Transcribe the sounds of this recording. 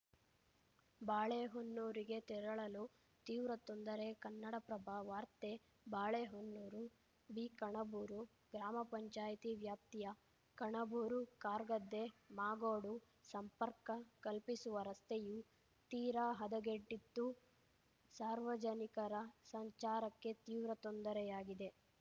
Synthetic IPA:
baːɭeɦonːuːɾiɡet̪iɾɐɭɐlu | t̪iːʋɾɐt̪ond̪ɐɾekɐnːɐɽɐpɾɐbʱaːʋaːɾt̪e | baːɭeɦonːuːɾu | biːkɐɳɐbuːɾu | ɡɾaːmɐpɐɲt͡ʃaːjt̪iʋjaːp̚t̪ijɐ | kɐɳɐbuːɾukaːɾɡɐd̪ːemaːɡoːɽu | sɐmpɐɾkɐkɐlpisuʋɐɾɐst̪ʰeju | t̪iːɾaːɦɐd̪ɐɡeɖːit̪ːu | saːɾʋɐd͡ʒɐnikɐɾɐsɐɲt͡ʃaːɾɐkːe̞t̪iːʋɾɐt̪ond̪ɐɾɛjaːɡid̪e̞

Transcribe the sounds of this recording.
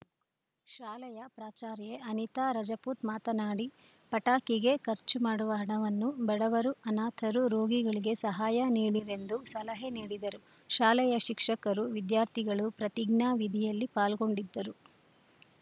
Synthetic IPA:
ʃaːlɐjɐpɾaːt͡ʃaːɾjeɐnit̪aːɾɐd͡ʒɐpuːt̪maːt̪ɐnaːɽi | pɐʈaːkiɡe̞kɐɾt͡ʃumaːɽuʋɐɦɐɳɐʋɐnːubɐɽɐʋɐɾuɐnaːt̪ʰɐɾuɾo̞ːɡiɡɐɭiɡe̞sɐɦaːjɐniːɽiɾe̞nd̪usɐlɐɦeniːɽid̪ɐɾu | ʃaːlɐjɐʃikʂɐkɐɾuʋid̪jaːɾt̪ʰiɡɐɭupɾɐt̪iɡɳaːʋid̪ʱijɐlːipaːlɡo̞ɳɖid̪ːɐɾu

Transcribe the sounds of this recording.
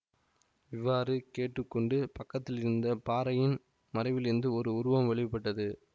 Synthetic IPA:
ɪʋːaːrɯkeːʈːrɯkːɔɳɖɯpɐkːɐt̪ːɪlɪɾɯnd̪ɐpaːɾɐjɪn | mɐɾɐɪʋɪlɪɾɯnd̪ɯɔɾɯʊɾɯʋɐmʋɛɭɪʋɪpːɐʈːɐðɯ

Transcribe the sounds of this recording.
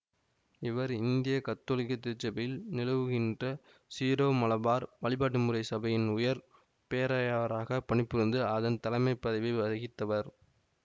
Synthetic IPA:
ɪʋɐɾɪnd̪ɪjɐkɐt̪ːoːlɪkːɐt̪ːɪt͡ʃːɐbɐjɪlnɪlɐʋɯɣɪndrɐ | siːɾoːmɐlɐbaːɾʋɐɭɪbaːʈ̬ːɯmɯrɐɪsɐbɐjɪnʊjɐɾ | peːɾaːjaɐɾaːɣɐpɐɳɪpːɯɾɯnd̪ɯɐðɐnt̪ɐlɐɪmɐɪpːɐðɐɪʋɐɪʋɐðɐɣɪt̪ːɐʋɐɾ

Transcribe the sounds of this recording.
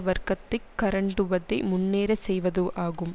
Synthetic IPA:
ʋɐɾkɐt̪ːɪkːɐɾɐɳɖɯʋɐðɐɪmʊnːeːɾɐsɛjʋɐðoːʔaːɣɯm

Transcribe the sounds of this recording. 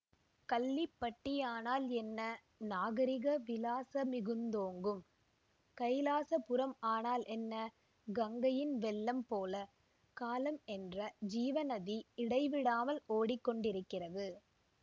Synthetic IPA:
kɐlːɪpːɐʈːɪjaːnaːlɛnːɐ | naːɣɐɾɪɣɐʋɪlaːsɐmɪɣɯnd̪oːŋɡɯm | kɐɪlaːsɐpʊɾɐmaːnaːlɛnːɐ | ɡɐŋɡɐjɪnʋɛlːɐmpoːlɐ | kaːlɐmɛndrɐd͡ʒiːʋɐnɐðiɪɽɐɪʋɪɽaːmɐloːɽɪkːɔɳɖɪɾɯkːɪrɐðɯ

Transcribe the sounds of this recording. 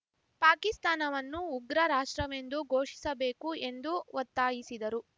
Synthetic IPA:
paːkist̪aːnɐʋɐnːuːɡɾɐɾaːʂʈɾɐʋe̞nd̪uɡʱo̞ːʂi̥sɐbe̞ːkue̞nd̪uʋɔt̪ːaːjisid̪ɐɾu

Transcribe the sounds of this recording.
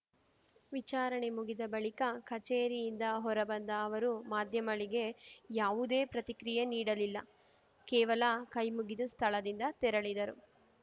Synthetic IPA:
ʋit͡ʃaːɾɐɳe̞muɡid̪ɐbɐɭikɐkɐt͡ʃeːɾijind̪ɐɦɔɾɐbɐnd̪ɐːʋɐɾumaːd̪ʱjɐmɐɭiɡe̞jaːʋud̪e̞ːpɾɐt̪ikɾijeniːɽɐlilːɐ | kɛːʋɐlɐkɐjmuɡid̪ust̪ʰɐɭɐd̪ind̪ɐt̪ɛɾɐɭid̪ɐɾu

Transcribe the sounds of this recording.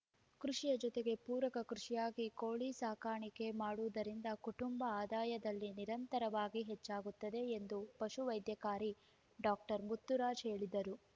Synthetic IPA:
kɾuʂijɐd͡ʒɔt̪e̞ɡe̞puːɾɐkɐkɾuʂijaːɡikoːɭisaːkaːɳike̞maːɽuʋd̪ɐɾind̪ɐkuʈumbɐaːd̪aːjɐd̪ɐlːiniɾɐnt̪ɐɾɐʋaːɡiɦet͡ʃːaːɡut̪ːɐd̪e̞ːnd̪upɐʃuʋɐjd̪jɐkaːɾi | ɖaːk̚ʈɐɾmut̪ːuɾaːd͡ʒɦe̞ːɭid̪ɐɾu

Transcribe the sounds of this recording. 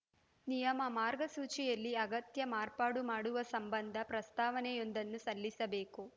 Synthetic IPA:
nijɐmɐmaːɾɡɐsuːt͡ʃijɐlːiɐɡɐt̪jɐmaːɾpaːɽumaːɽuʋɐsɐmbɐnd̪ʱɐpɾɐst̪aːʋɐnɛjo̞nd̪ɐnːusɐlːisɐbeːku

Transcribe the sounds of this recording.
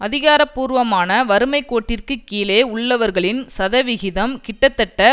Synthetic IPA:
ʔɐðɪɣaːɾɐpːuːɾʋɐmaːnɐʋɐɾɯmɐɪkːoːʈːɪrkɯkːiːleːʊɭːɐʋɐɾɣɐɭɪnsɐðɐʋɪɣɪðɐmkɪʈːɐt̪ːɐʈːɐ

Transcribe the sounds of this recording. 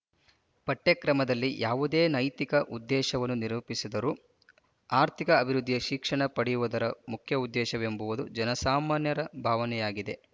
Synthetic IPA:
pɐʈːekɾɐmɐd̪ɐlːijʔaːʋud̪eːnɐjt̪ikɐʔud̪ːɛːʃɐʋɐnːuniɾuːpisid̪ɐɾuː | aːɾt̪ʰikɐːbʱiɾud̪ʱːijɐʃikʂɐɳɐpɐɽijuʋud̪ɐɾɐmukʰjɐud̪ːɛːʃɐʋembuʋud̪ṵd͡ʒɐnɐsaːmaːnjɐɾɐbʱaːʋɐnɛjaːɡid̪e̞

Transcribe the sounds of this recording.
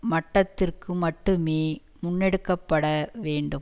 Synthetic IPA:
mɐʈːɐt̪ːɪrkɯmɐʈːɯmeː | mʊnːɛɽɯkːɐpːɐɽɐʋeːɳɖɯm

